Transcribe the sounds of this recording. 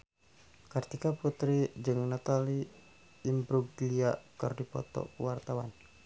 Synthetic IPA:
kɨrt̪ikaput̪ɾid͡ʒɨŋnat̪aliː | mbɾuɡliakɨrdipɔ̰t̪ɔ̰uwart̪awan

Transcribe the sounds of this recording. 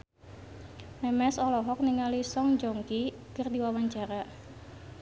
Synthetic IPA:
mɛmɛsɔlɔɦɔk̚niŋalisɔŋd͡ʒoŋki | kərdiwawaɲt͡ʃaɾa

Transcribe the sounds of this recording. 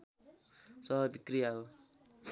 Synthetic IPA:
sʌɦʌbikrijaɦo

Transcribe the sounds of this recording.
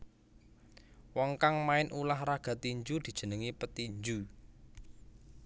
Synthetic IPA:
wɔŋkaŋmaɪnʔulahraɡ̥ä̤t̪iɲd͡ʒud̪̥i̤d̥ʒ̥ə̤nəŋipət̪iɲd͡ʒu

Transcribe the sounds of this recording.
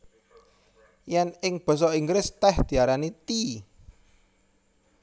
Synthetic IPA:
jɛnɪŋb̥ɔ̤s̬ɔiŋɡɾɪst̪ɛhd̪̥i̤aɾanit̪i

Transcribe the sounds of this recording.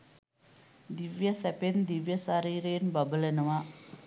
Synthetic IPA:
d̪iʋjɐsɛpend̪iʋjɐsaɾiːɾenbɐbəlenɐʋa

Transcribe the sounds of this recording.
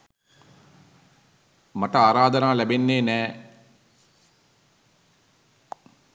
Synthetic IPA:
mɐʈɐaːɾaːd̪ɐnaːlɛbenːeːnɛː

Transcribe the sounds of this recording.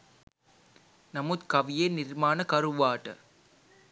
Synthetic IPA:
nɐmut̪kɐʋɪjeːnɪrmaːnɐkɐɾɯʋaːʈːɐ̰

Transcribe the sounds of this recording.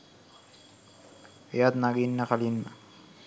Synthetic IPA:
ejat̪naɡinːəkalinːə̰

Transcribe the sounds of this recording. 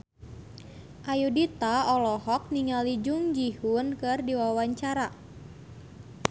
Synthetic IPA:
ʔajudit̪aɔlɔɦɔk̚niŋalid͡ʒuŋd͡ʒihunkɨrdiwawaɲt͡ʃaɾa

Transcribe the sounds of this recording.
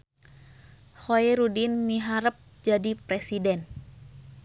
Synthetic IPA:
hoɛɾudinmiɦaɾəp̚d͡ʒadipɾɛsidɛn

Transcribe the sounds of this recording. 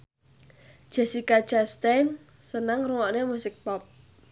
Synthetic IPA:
d̥ʒ̥ɛ̤sikad̥ʒ̥ast̪ajn | sənəŋruwɔʔnemusɪk̚pɔp̚

